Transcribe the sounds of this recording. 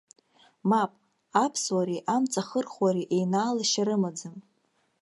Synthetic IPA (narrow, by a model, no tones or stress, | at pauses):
mapʼ | apʰswaɾiʔamt͡sʼaχərχwaɾiʔejnaːlaʃaɾɨmad͡zɨm